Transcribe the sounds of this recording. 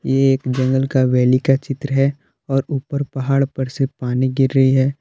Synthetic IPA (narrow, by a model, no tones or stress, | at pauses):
jeeːkd͡ʒɐ̃ŋɡəlkaʋɛːlikat͡ʃɪt̪ɾəɦɛ | ɔːɾuːpəɾpɐɦaːɽpɐɾsepaːniɡɪɾːɐɦiɦɛː